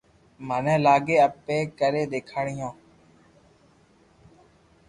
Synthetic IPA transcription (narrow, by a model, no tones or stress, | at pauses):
mənɛ̃ːlaːɡeːəpeːkəɾeːd̪eːkʰaːɽɪjõː